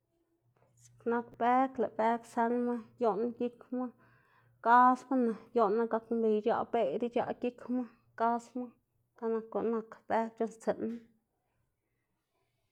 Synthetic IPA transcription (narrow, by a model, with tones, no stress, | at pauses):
sna˧kpe˦klḛ˨ʔbe˦kse˧nma˦jo˦n˦ki˦kma˦ | ka˦sma˦na˨jo˦nːa˧ɡa˧kmbi˨jd͡ʒa̰˧ʔbe˧d̪i˦t͡ʃa̰˧ʔki˦kma˦ | ka˦sma˦ | ka˧na˧ko˨ʔna˧kb̥e˦k̚t͡ʃo˧˦nst͡se˨nma˦